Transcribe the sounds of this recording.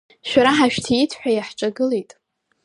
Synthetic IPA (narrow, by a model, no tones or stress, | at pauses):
ʃᶣaɾaħaʃᶣtʰijitʰħʷᶣajaħʈ͡ʂʼaɡɨlejtʼ